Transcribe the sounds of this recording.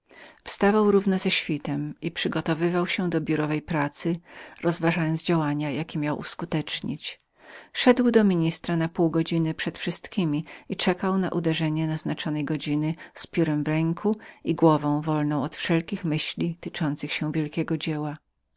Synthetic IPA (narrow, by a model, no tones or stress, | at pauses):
fst̪avawɾuvnɔzɛɕfʲit̪ɛmipʂɘɡɔt̪ɔvɘvawɕɛd̪ɔbʲjuɾɔvɛjpɾat̪sɘɾʔɔzvaʐajɔnd̪zd͡ʑawaɲajakʲimʲjawʔṵskut̪ɛt͡ʂɲḭt͡ɕ | ʂɛd̪wd̪ɔmʲiɲist̪ɾanapuwɡɔd͡ʑinɘpʂɛt̪fʂɘst̪kʲimʲiit͡ʂɛkawna̰ʔud̪ɛʐɛɲɛnaznat͡ʂɔnɛjɡɔd͡ʑinɘspʲjuɾɛmvɾɛŋkʰuiɡwɔvɔ̃w̃vɔlnɔ̃w̃ɔt̪fʂɛlkʲixmɘɕlʲit̪ɘt͡ʂɔnt̪sɘxɕɛw̃vʲjɛlkʲɛɡɔd͡ʑewa